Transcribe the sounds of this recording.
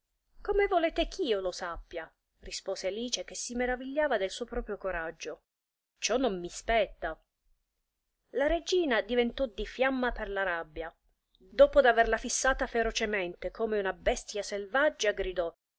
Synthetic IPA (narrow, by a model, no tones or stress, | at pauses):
komevoleːt̪ek̟ʰiːolosapːja | rispoːzealiːt͡ʃek̟esːimeɾaviʎːaːvad̪elsuːopɾɔːpɾjokoɾad͡ʒːo | t͡ʃɔnːomːispɛt̪ːa | laɾed͡ʒiːnad̪ivent̪ɔd̪ifjamːaperlaɾabːja | d̪ɔːpod̪averlafisːaːt̪afeɾot͡ʃemɛnt̪ekʰoːmeunabɛst̪jaselvad͡ʒːaɡɾid̪ɔ